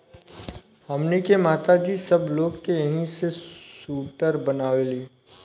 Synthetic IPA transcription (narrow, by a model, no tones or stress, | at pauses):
hɐmnekemaːt̪ad͡ʒisɐbloːɡkejɐɦĩsesuːʈəɾbɐnaːʋeliː